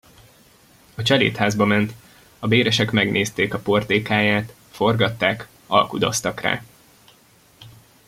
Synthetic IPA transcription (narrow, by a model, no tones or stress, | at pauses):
ɒt͡ʃɛlḛːt̪haːzbɒmɛnt̪ | ɒbeːɾɛʃɛkmɛɡnʔeːst̪eːkɒpo̞rt̪eːkaːjaːt̪ | fo̞rɡɒt̪ːaːk | ɒ̰lkud̪o̰st̪ɒkra̰ː